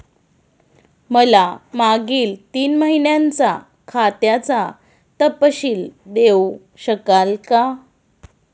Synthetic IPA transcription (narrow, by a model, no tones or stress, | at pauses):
məlamaɡiːlt̪iːnməɦinjant͡sa | kʰat̪jat͡sa | t̪əpɕiːld̪ew | ɕəkalka